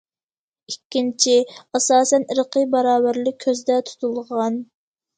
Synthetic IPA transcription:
ikʲːint͡ʃʰiɑsɑːsɛnəɾəqʰəbɑɾɑːbæɾlɪk̚ʲʰːøzd̪ɛt̪ʰu̥t̪ʰulˠʁɑn

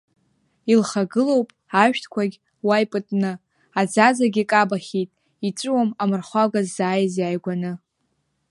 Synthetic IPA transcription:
ilχaɡɨlo̞wpʼ | aʃᶣtʰkʷʰaɡʲ | wajpʼɨtʼnɨ | ad͡zazaɡʲikʼabaχʲitʼ | it͡ʃʷʼɨwamamɨrχʷaɡazːaːjzjajɡʷanɨ

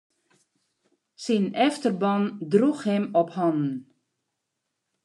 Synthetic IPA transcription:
sinɛftərbɑndruxhɪmɔphɔnn̩

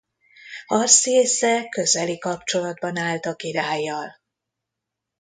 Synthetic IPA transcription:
hɒrsieːsɛkø̞zɛlikɒpt͡ʃo̞lɒd̪bɒnaːlt̪ɒkiɾaːjːɒl

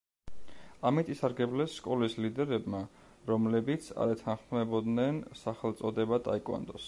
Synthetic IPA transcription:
amit̪ʼisaɾɡɛblɛsːkʼɔlislid̪ɛɾɛbma | ɾɔmlɛbit̪sʰa̰ɾɛt̪ʰanχmɛbɔd̪nɛnsaχɛlˠt̪sʼɔd̪ɛbat̪ʼa̰ikʼwa̰nd̪ɔs

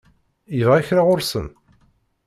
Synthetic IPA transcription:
jəvʁæçɾaʁʊɾsə̰n

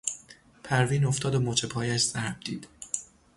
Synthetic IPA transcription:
pʰæɾviːnoft̪ɒːd̪omot͡ʃʰepʰɒːjæʃz̥æɾb̚d̪iːd̪̥

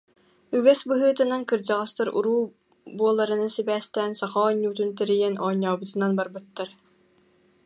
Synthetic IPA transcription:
yɡɛsbɯɦɯːt̪ɯnaŋkɯɾd͡ʑɑʁɑst̪ɯɾṵɾuː | buɔlˠːaɾɯnasibæːst̪ɛːnsɑχɑːɲːuːt̪̬unt̪ɛɾijɛnɔːɲːaːbɯt̪ɯnanbaɾbɯt̪ːaɾ

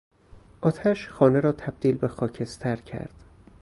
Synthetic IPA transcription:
ʔɒːt̪ʰæʃxɒːneɾɒːt̪ʰæb̥̚d̪̥iːlbe̞xɒːcʰe̞st̪ʰæɾcʰæ̰ɾd̪̥

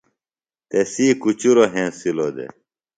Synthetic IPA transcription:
t̪esiːkut͡ɕuɾoɦẽːsilod̪ḛ

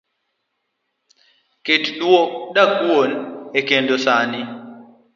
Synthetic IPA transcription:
ketɗwoɗakuonekendosani

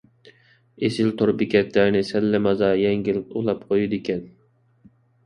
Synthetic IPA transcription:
esɪlt̪ʰoɾbɪkʲʰɛt̪læɾnɪsɛlːɪmɑzɑjɛŋɡʲilulˠɑp̚qʰojud̪ekʲʰɛn

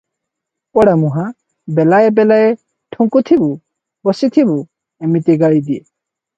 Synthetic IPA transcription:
pɔɽamuɦã | belaebɛlaje | ʈʰuŋkut̪ʰibu | bɔsit̪ʰibu | emit̪iɡaɭid̪ie

